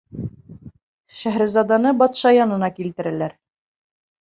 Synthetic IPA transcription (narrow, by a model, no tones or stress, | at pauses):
ʃæɦɾɘzɑd̪ɑnɤbɑt̪ʃɑjɑnɤ̆nɑkilt̪ɘ̆ɾælæɾ